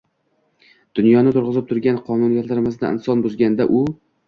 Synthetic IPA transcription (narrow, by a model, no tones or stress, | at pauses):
d̪̥ʊnjɒnɪt̪ʰʊɾʁɨzɪp̚t̪ʰʊɾɡʲanqʰɒnʊnjat̪laɾmɪzna̰ɪ̰nsɒnbʊzɡʲand̪aʔʊ